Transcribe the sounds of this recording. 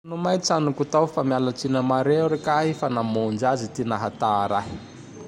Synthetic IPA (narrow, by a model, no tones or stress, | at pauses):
numajt͡sanukut̪awfamialat͡sinəmaɾeɾekaɦifanamond͡ʒazit̪inaɦat̪aɾaj